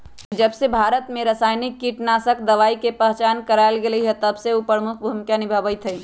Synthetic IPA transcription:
id͡ʒɐbsebʱaːɾət̪mẽɾəsaːjnikːiʈnaːsək̚d̪ɐʋaːikepəɦt͡ʃaːnkəɾaɪlɡeliɦɛt̪ɐbseupəɾmʊkʰbʱumɪkanɪbʱəʋəjt̪ʰəi

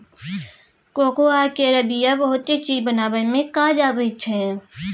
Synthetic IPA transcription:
koːkoaːkeɾəbijabəɦʊt̪ːet͡ʃiːzbənaːbəmẽkaːd͡ʒaːbet͡ʃʰɛ̃

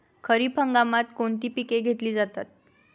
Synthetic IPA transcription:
kʰəɾiːpʰəŋɡamat̪koɳt̪iːpikeɡʱet̪liːd͡zat̪at̪̚

